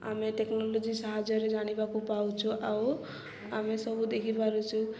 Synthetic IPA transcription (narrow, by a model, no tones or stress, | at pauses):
a̰meʈeknɔlod͡ʒisaɦad͡ʒɔɾed͡ʒaɽ̃ibakupaũt͡ʃʰuʔaw | amesʌbʱud̪ekʰipaɾut͡ʃʰu